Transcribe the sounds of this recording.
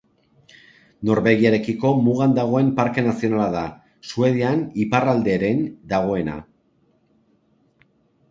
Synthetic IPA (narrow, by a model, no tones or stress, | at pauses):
no̞ɾβe̞ɣiaɾe̞kiko̞muɣ̞and̪aɣ̞o̞e̞mpaɾke̞nasio̞nalaða | sue̞ðianiparald̪e̞ɾe̞nd̪aɣ̞o̞e̞na̰